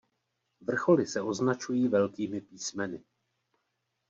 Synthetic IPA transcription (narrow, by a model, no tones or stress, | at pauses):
vr̩xo̞lɪsɛʔo̞znat͡ʃujiːvɛlkiːmɪpiːsmɛnɪ